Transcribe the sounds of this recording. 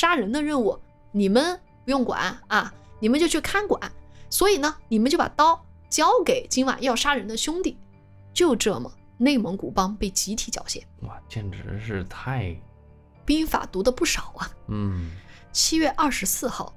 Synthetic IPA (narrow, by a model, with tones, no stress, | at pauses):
ʂa˥ɻə˧˥nd̪ə˧ɻə˥˧nu˥˩ | ni˨˩mə˧˦n | pu˧˥jʊ˥˩ŋkwa̰˨˩˦nɐ˥˧ni˨˩mə˦nt͡ɕjo˥˧t͡ɕʰy˥˩kʰa˥˩nkwa̰˨˩˦nswɔ˧˥i˨˩nə˦ni˨˩mə˦nt͡ɕo˥˩a̰˨˩t̪ɑ˥ʊ | t͡ɕjɑ˥ʊke˨˩ɪt͡ɕi˥nwa̰˨˩njɑ˥˩ʊʂa˥ɻə˧˥nd̪ə˧ɕjʊ˥ŋt̪i˥˩ | t͡ɕjo˥˧ʊʈ͡ʂɤ˥˩mə̰˩ | ne˥˩ɪmɤ˧˥ŋku˨˩pɑ˥ŋpe˥˩ɪt͡ɕi˧˥t̪ʰi˨˧˥t͡ɕjɑ̰˨˩ʊɕjɛ̰˥˩nwa˥˩t͡ɕjɛ˥˩nʈ͡ʂɻ̩˧˥ʂɻ̩˥˧t̪ʰa˥˧ɪ | pi˥ŋfa̰˨˩t̪u˧˥d̪ə˧pu˥˩ʂɑ˨˩˦ʊɐ˦n̩˥˩ | t͡ɕʰi˥ɥɛ˥˧ʔɐ˞˥˩ʂɻ̩˧˥sɹ̩˥˧xɑ˥˩ʊ